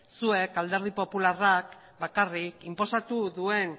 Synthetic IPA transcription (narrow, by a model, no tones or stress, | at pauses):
sue̞kald̪e̞ɾð̞ipo̞pularak | bakarikimpo̞sat̪uðue̞n